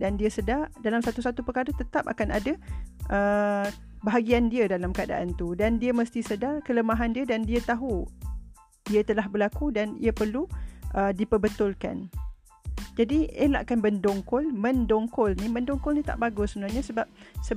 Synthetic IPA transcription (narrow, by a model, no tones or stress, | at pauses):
dandiəsədardalamsat̪usat̪upəkaɾət̪ət̪ap̚a̰kanʔa̰daʔə | bəɦaɡiandiədalamkəada̰ʔant̪udandiəməst̪isədarkələmaɦandiadandiat̪aɦu | diat̪əlahbərlakudanḭapərluʔədipəbət̪ʊlka̰n | d͡ʒadiḛla̰ʔkanbəndɔŋkɔlmə̃ndɔŋkʊlnimə̃ndoŋkɔlnit̪a̰ʔbaɡʊsəbənaɲasəbap̚sə